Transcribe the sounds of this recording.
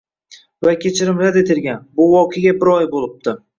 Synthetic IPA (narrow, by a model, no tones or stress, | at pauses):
vakʲʰe̞t͡ʃʰɪɾɪmɾad̪et̪ʰɪɾɡʲanbʊwɒqʰeɡʲabɪɾɒjbolˠɪp̚t̪ɪ